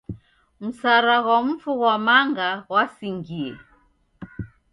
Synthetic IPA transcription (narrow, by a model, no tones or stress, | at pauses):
m̩saɾaɣwam̩fuɣwamaŋɡawasiŋɡiɛ